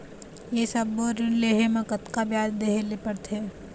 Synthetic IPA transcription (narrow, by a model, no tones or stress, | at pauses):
jesɐbːoɾleɦemãkət̪kabjaːd̪d̪eɦelepəɽt̪ʰeː